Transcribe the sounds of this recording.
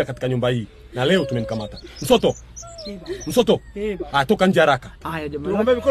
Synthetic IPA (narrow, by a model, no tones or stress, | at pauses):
akati̥kaɲumbahiː | nalɛɔtumɛnikamatam̩sɔtɔ | m̩sɔtɔajatɔkaɲ̩d͡ʒɛhaɾaka | vɛk